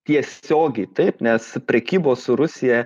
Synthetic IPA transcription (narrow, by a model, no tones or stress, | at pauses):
t̪ʲiɛsʲsʲoːɡʲɛɪt̪ɐɪpnʲɛspʲɾʲɛkʲiːboːssʊɾʊsʲɪjɛ